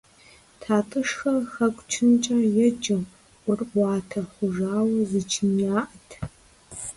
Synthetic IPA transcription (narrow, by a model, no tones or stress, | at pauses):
tʰaːtʼɨʂxɐrxɐkʷʼt͡ʃʰɨnt͡ʃʼɐjɛd͡ʒʼɐmʷ | ʊrʔʷɑːtʰɐχʷʊʒaːwɐzɨt͡ʃʰɪmjaːʔɐtʰ